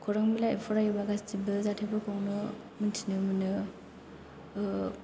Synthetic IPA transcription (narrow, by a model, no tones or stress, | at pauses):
kʰɔɾaŋmilaipʰɔɾajɯbaɡastibɯzatʰebɯkʰɯwnɯ | mɯntʰinɯmɯnɯ